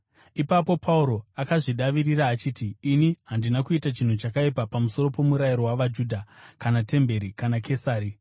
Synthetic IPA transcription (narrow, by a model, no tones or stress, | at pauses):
ipapo̞pʰauɾo̞akaʐiɗaʋiriraːt͡ʃiːtiːniɦandinakuitat͡ʃin̤ut͡ʃakaipapamuso̞ɾo̞po̞muɾaiɾo̞waʋad͡ʒudʱakanate̞mbe̞ɾikanakʰe̞saːɾi